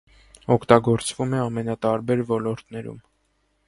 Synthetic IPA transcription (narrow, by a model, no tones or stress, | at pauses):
ɔkʰt̪ɑɡɔɾt͡svumɛɑmɛnɑt̪ɑɾbɛɾvɔlɔɾt̪nɛɾṵm